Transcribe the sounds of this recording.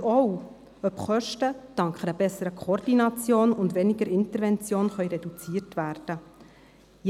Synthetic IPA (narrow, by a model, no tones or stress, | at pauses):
ɔw | œpχœʃtəd̥ɑŋkχəɾəbɛsːəɾəkʰoɾd̥inɑt͡sjoːnʊndʋɛnɪɡəɾɪntəɾvɛnt͡sjoːnχœʏɾɛdut͡siːəɾtʋæːrd̥ə